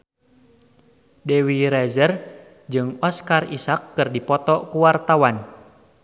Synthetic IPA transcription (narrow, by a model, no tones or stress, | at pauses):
dewiɾɛzər | d͡ʒɨŋɔskarisakːɨrdipɔt̪ɔkuwart̪awan